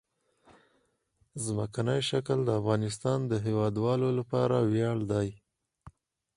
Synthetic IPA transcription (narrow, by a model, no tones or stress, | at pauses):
zməkanəjʃakəld̪əafɣɑnɪs̬t̪ɑnd̪əɦewɑd̪wɑlolapɑɾawjɑɽd̪aj